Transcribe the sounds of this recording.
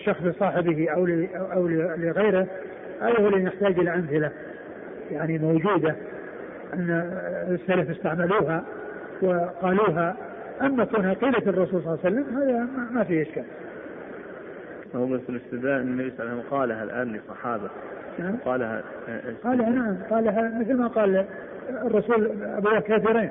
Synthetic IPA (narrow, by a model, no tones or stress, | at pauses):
ʃːɑxsˤlɪsˤɑːħɪbɪhʔawlɪʔawlɪlɪɣajɾɪ | ʔaðahlːinɪħt̪aːd͡ʒʔɪlaʔamθɪla | jaʕnimowd͡ʒuːd̪a | ʔanːsːalafɪst̪aʕmaluːɦa | wɪqɑːluːɦa | ʔamːakaːnhaqiːlat̪ɨrˤːɑsuːlsˤlɑːsalːamɦaːðaamafiʔaʃkaːl | naðfɪlɪst̪ɪd̪aːʔɪnnːabisˤamqɑːlaɦa̰lʔa̰ːnlɨsˤɑħɑːba | naʕamqɑːlha̰ | qɑːlhanaʕamqɑːlaɦamɪθlmaqɑːl | rˤːɑsuːlabuwaːhkaːθiɾiːn